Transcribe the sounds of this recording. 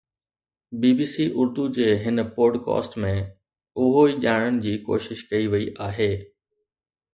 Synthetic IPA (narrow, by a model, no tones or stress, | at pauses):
biːbiːsiːʔʊɾd̪ud͡ʑeːɦɪnpoːɾɖkɔ̰ːsʈmẽ | ʊɦoiʄaːɪɽ̃əɽ̃ɪ̆d͡ʑiːko̰ːʃɪʃkɐiʋɐiʔaːɦeː